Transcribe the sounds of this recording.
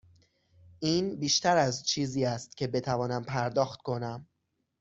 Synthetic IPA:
ʔiːnbiːʃt̪æɾæzt͡ʃʰiːziːæst̪cʰe̞be̞t̪ʰævɒːnæmpʰæɾd̪ɒːxt̪̚kʰo̞næm

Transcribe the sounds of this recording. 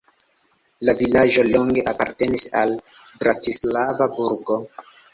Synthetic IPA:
lavilaʒo̞loŋɡe̞ʔapa̰ɾte̞nisa̰l | bɾatislavabuɾɡo̞

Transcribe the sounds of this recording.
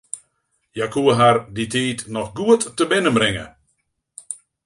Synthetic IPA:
jakʰuəɦarditʰiːtnɔxɡuətːəbɪnəmbrɪŋə̰

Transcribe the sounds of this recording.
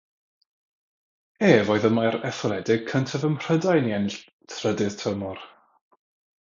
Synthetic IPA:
eːvoɨðəmaɾɛθɔlˠɛdɪɡ̥̚kʰəntʰəvəmr̥ədajniɛnɪɬ | tʰrədɨð̥tʰəmɔr

